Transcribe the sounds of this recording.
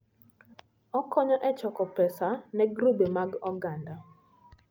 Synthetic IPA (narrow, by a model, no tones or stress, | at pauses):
ɔkɔɲɔʔɛt͡ʃɔkɔpɛsanɛɡɾubemaɡɔɡanda